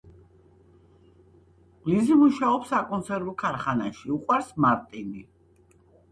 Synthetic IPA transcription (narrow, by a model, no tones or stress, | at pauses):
lizimuʃaɔpsakʼɔnt̪sʰɛɾukʰaɾχanaʃiuqʼwaɾsmaɾt̪ʼini